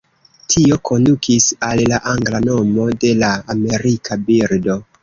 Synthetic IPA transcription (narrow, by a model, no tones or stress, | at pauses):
tʰio̞kʰo̞ndukʰisallaʔaŋɡlano̞mo̞de̞laame̞ɾikʰabiɾdo̞